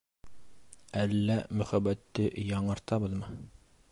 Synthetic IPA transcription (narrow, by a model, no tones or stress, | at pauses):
ælːæmɵ̆χæbæt̪ːɘjɑɴɤ̆ɾt̪ɑbɤ̆ðmɤ